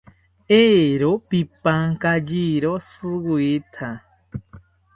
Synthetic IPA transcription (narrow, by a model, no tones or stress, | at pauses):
eɾopipaŋkad͡ʒiɾosɨɡit̪ʰa